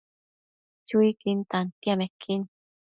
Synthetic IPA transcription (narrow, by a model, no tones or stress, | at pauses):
t͡ɕuikint̪ant̪iamɛkʰːin